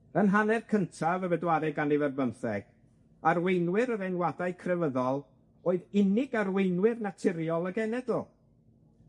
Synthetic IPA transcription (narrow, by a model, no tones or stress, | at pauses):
ənɦanɛrkʰəntʰavəvɛdwaɾɛɡanivɛrbəmθɛɡ̥ | arwejnwɪɾəɾɛnwadajkʰrɛvəðɔlˠ | oːɨðɪnɪɡarwejnwɪrnatʰɪɾjɔlˠəɡɛnɛdɔ